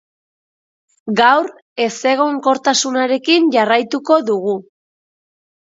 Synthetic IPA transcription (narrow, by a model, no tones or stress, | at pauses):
ɡawɾ | e̞se̞ɣ̞o̞ŋko̞ɾt̪asunaɾe̞kinʝarajt̪uko̞ðuɣu